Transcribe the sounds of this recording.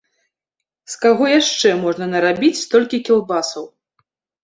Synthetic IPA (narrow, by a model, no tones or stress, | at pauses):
skaɣɔjaʂt͡ʂɛmɔʐnɐnɐɾabʲit͡sʲst̪ɔlʲkʲikʲilˠbasɐw